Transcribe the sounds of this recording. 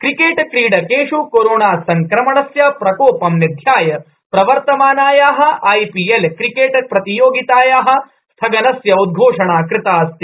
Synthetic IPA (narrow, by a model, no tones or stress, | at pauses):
kɾikeːʈkɾiːɖɐkeːʂukoɾoːɳaːsɐŋkɾɐmɐɳɐsjɐpɾɐkoːpɐmnid̪ʱjaːjɐ | pɾɐʋɐɾt̪ɐmaːnaːjaːɦɐ̆ʔɐjpielkɾikeːʈɐpɾɐt̪ijoːɡit̪aːjaːɦɐ̆ | st̪ʰɐɡɐnɐsjɐud̪̚ɡʱoːʂɐɳaːkɾɪt̪aːst̪i